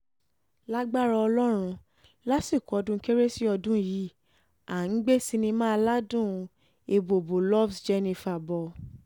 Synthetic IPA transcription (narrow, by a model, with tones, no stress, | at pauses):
la˦ɡ͡ba˦ɾɔ˧ɔ˧lɔ˦ɾ̃ũ˧ | la˦si˦˨kɔ˨ɔ˧dũ˦ke˦ɾe˦si˦ɔ˧dũ˦ji˨˦ | a˨n̩˨˦ɡ͡be˦˨si˧nĩ˧mãː˦˧la˦dũ˦˨ | e˧bo˨bo˨lɔ˦fsd͡ʒe˦nĩ˧fa˨bɔ˨